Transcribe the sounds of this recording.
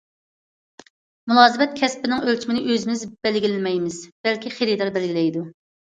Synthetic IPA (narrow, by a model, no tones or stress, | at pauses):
mulˠɑːzɨbɛt̪̚kʲʰɛspɪnɪŋølt͡ʃʰimɪnɪʔøzɪmɪzb̥ɛlɡʲilɪnmɛjmɪzb̥ɛlkʲiχeɾid̪ɑɾbɛlɡʲilɛjd̪u